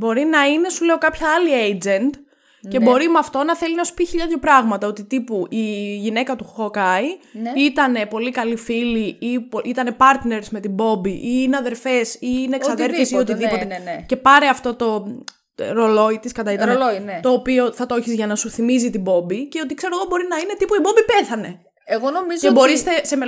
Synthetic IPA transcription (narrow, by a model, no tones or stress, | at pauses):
bo̞ɾinɐine̞sule̞o̞kɐpçɐɐliejd͡ze̞nd̪ | ce̞bo̞ɾimɐft̪o̞nɐθe̞linɐsu̥piçiʎɐðʝopɾɐɣmɐt̪ɐo̞t̪it̪ipuiʝine̞kɐt̪uxokɐiit̪ɐne̞po̞likɐlifiliipoʔit̪ɐne̞pɐɾt̪ne̞ɾzme̞t̪ibo̞biʔiineɐðe̞ɾfe̞siːneksɐðe̞ɾfisio̞t̪iðioece̞pɐɾeɐft̪o̞t̪o̞ | ɾo̞lo̞it̪iskɐt̪ɐit̪ɐnt̪o̞ːpio̞θɐt̪oçizʝɐnɐsuθimizit̪ibo̞bice̞o̞t̪ikse̞ɾo̞ɣo̞bo̞ɾinɐine̞t̪ipuibo̞mbipe̞θɐne̞ | eɣonomizebo̞ɾist̪e̞seme